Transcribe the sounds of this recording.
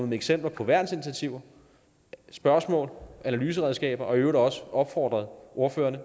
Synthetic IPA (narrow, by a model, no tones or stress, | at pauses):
eɡ̥sem̰b̥lɐpʰɒ̽ʋæɐ̰d̥n̩si̝nit͡sʰæt͡sʰiʊɐ | sb̥ɶɐsmɔ̰̽ːlʔænælyːs̬əʁɛð̞ˠsɡ̥ɛ̰ːb̥ɐʔɒ̽øʊɐdɒ̽səɒ̽b̥fɒ̰ːd̥ʁɐð̞̩ˠo̝ɐfø̰ːɐnə